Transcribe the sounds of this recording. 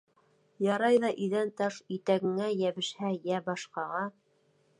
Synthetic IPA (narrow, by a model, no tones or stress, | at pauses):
jɑɾɑjðɑʔiðænt̪ɑʃit̪æɡɘ̆ŋæjæβɘ̆ʃhæjæbɑʃqɑʁɑ